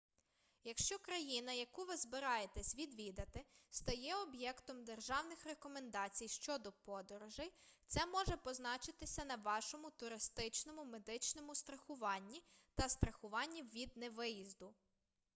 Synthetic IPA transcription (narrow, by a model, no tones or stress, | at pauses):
jɐkʃt͡ʃɔkɾɐjinɐjɐkuʋɪzbɪɾɑjet̪ɛsʲʋʲid̪ʋʲid̪ɐt̪ɪst̪ɐjɛɔbjɛkt̪ɔmd̪erʒɑwnɪxrekɔmend̪ɑt͡sʲijʃt͡ʃɔd̪ɔpɔd̪ɔɾɔʒɪjt̪sɛmɔʒɛpɔznɑt͡ʃɪt̪ɪsʲɐnɐʋɑʃɔmʊt̪ʊɾɪst̪ɪt͡ʃnɔmʊme̞d̪ɪt͡ʃnɔmʊst̪ɾɐxʊʋɑnʲːit̪ɐst̪ɾɐxʊʋɑnʲːiʋʲid̪neʋɪjizd̪ʊ